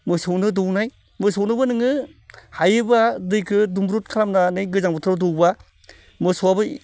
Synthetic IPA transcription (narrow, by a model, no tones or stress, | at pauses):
mɯsɯwnɯdɯwnaj | mɯsownɯbɯnɯŋɯhajɯbadɯjkʰɯdumbɾut̚kʰaɾamnanɯjɡɯzaŋbɔtʰɾdɔwba | mɯsɔwabɯ